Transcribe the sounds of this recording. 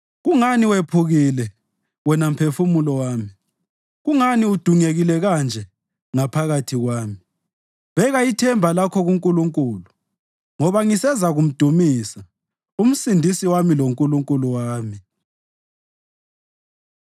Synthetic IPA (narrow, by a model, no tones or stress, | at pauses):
ɣuŋaniwepʰuɣilɛ | wɛnam̩pʰefumulɔwaːmi | ɣuŋaniud̥ʱuŋeɣilɛɣand͡ʒʱɛ | ŋapʰaɣatʰiɣwaːmi | βɛɣaitʰɛmbʱalakʰɔɣuŋkʼuluŋkʼuːlu | ŋɔβaŋisɛzaɣum̩d̥ʱumiːsa | um̩sindʱisiwamiloŋkʼuluŋkʼuluwaːmi